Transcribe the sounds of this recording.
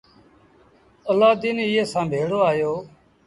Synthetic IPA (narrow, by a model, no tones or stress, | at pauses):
əlaːd̪iːniːeːsãːbʱeːɽoːaːjoː